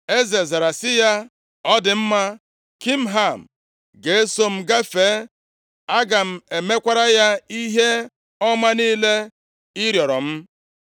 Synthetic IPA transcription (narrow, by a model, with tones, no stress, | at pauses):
e˦ze˨za˨ɾa˨sɪ˦ja˦ | ɔ˦dɪ˨m̩˦ma˦ | ki˦m̩˦ɦa˦˨m̩˨ | ɡe˨e˦so˦m̩˦ɡa˦fe˨˦ | a˦ɡa˨m̩˦˨e˨me˦kʷa˦ɾa˦ja˦i˦ɦe˦ | ɔ˦ma˦niː˦le˦ | ɪ˦ɾjɔ˨ɾɔ˨m̩˦